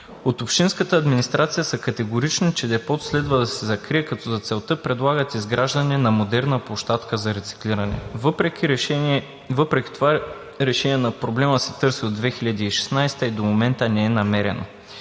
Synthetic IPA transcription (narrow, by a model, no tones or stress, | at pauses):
ot̪opʃinskət̪əːd̪minist̪ɾat̪sijəsɐkɐt̪ɛɡoɾit͡ʃnit͡ʃɛd̪ɛpɔt̪slɛd̪vəd̪ɐsɛzɐkɾiɛkɐt̪ɔzɐt̪sɛlˠt̪ɤpɾɛd̪lˠaɡət̪izɡɾaʒd̪ɐnɛnɐmod̪ɛɾnəpoʃt̪at̪kəzɐɾɛt̪si̥kliɾɐnɛ̰vpɾɛ | vəpɾɛk̟i̥t̪ova | ɾɛʃɛniɛnɐpɾoblɛməsɛt̪ɤɾsiod̪vɛxiʎəd̪iːʃɛ̥snajst̪əid̪omomɛnt̪ənɛɛnɐmɛɾɛ̰no̰